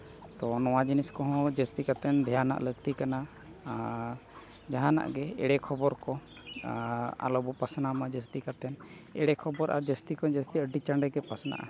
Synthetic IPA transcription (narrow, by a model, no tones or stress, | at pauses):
t̪ɔnɔwad͡ʒiniskɔɦɔ̃d͡ʒəst̪ikat̪ɛnd̪ʱɛjana̰ʔləɡ̚t̪ikana | d͡ʒaɦãna̰ʔɡɛɛɽɛkʰɔbɔɾkɔ | a̰lɔbɔpasnamad͡ʒəst̪ikat̪ɛn | ɛɽɛkʰɔbɔɾʔa̰ɾd͡ʒəst̪ikɔd͡ʒəst̪iəɖit͡ʃaɳɖɛɡɛpasna̰ʔa̰